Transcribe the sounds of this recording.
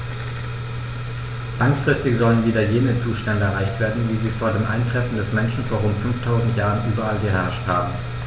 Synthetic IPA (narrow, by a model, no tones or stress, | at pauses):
laŋfʁ̥ɪstɪçz̥ɔlənviːdɐjeːnət͡suːʃtɛndəɛʁaɪçtv̥eːɐdn̩viːziːfoːɐdeːmʔa̰ɪntʁ̥ɛfn̩dɛsmɛnʃn̩foːɐʁʊntfʏnftʰaʊzn̩tjaːʁənʔyːbɐalɡəɦɛɐʃthaːbm̩